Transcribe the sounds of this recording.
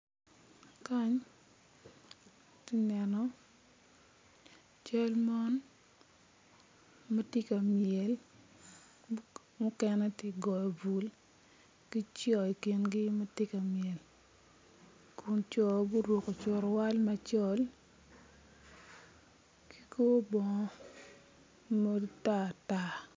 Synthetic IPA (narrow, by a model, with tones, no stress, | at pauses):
ka˦ɲ | tɪ˦nɛ˨nɔ˦ | t͡ʃɔ˦lma˦n | ma˦ti˦ka˨mjɛ˨l | mɔ˦kɛ˦nɛ˦tɪ˦ɡɔ˨jɔ˨bu˨l | kɪ˦t͡ʃɔ˨i˨ki˨nɡɪ˦ma˦tɪ˦ka˨mjɛ˨l | ku˨nt͡ʃɔ˨bu˦ɾwo˨ko˨t͡ʃʊ˨ɾɔ˨wa˦lma˦t͡ʃɔ˦l | ki̥˦ko˦bɔ˨ŋ˦ | mo˦dta˦˨ta˦